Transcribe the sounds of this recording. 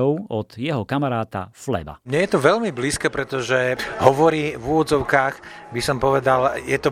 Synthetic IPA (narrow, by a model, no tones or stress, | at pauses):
ɔʊɔd̪̥jɛɦɔkamaɾaːt̪a̰flɛ̰ba̰mɲɛjɛt̪ɔʋɛʎmibliːskɛpɾɛt̪ɔʒɛɦɔʋɔɾiːvuʋɔd̪d͡zɔʊkaːɣbisɔmpɔʋɛd̪aljɛt̪ɔ